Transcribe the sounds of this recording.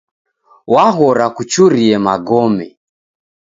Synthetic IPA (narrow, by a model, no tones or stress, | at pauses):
waɦɔɾakut͡ʃuɾiɛmaɡɔmɛ